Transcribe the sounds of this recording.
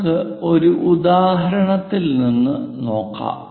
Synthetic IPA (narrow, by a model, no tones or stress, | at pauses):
kɨo̞ɾuʔud̪aːɦɐɾɐɳɐt̪ːilninːɨno̞ːkːa̰ː